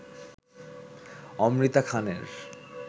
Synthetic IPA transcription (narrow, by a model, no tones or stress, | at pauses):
ɔmɾit̪akʰanḛɾ